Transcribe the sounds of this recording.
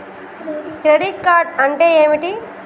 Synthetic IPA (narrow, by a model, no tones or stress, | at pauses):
kɾeɖiʈ̚kaːɾʈɐɳʈeeːmiʈi